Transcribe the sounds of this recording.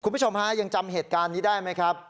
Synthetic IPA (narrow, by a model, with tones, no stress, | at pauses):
kʰu˧nmbu˦˥˩o˧mha˦˥ja˧ŋt͡ɕa˧mɦeː˨˩t̪̚kaː˧nːiː˦˥daː˥˩jma˦˥jkʰɾa˦˥p̚